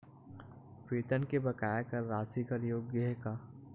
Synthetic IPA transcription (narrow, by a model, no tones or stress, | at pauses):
peːt̪ənkebɐkaːjakɐɾːaːsikɐɾjoːɡjəɦɛkaː